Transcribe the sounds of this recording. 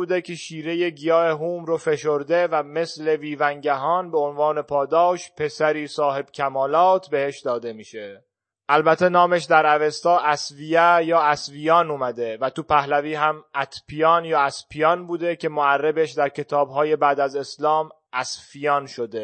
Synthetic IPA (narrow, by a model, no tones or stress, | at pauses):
uːd̪ecʰe̞ʃiːɾe̞je̞ɟijɒːeɦuːmɾofe̞ʃo̞ɾd̪e̞væme̞sle̞viːvæŋɟæɦɒːnbeonvɒːne̞pʰɒːd̪ɒːʃpʰe̞sæɾiːsɒːhe̞b̥cʲʰæmɒːlɒːt̪ʰbe̞heʃd̪ɒːd̪e̞miːʃe̞ | ʔælbæt̪ʰːe̞nɒːmeʃd̪æɾævest̪ɒːʔæsvijæjɒːæsvijɒːnumæd̪e̞væt̪upæhlæviːɦæmʔæt̪ʰpʰijɒːnjɒːæspʰijɒːnbuːd̪e̞cʰe̞moærːebeʃd̪æɾcʰe̞t̪ʰɒːbɦɒːje̞bæːd̪æze̞slɒːm | ʔæsfijɒːnʃod̪e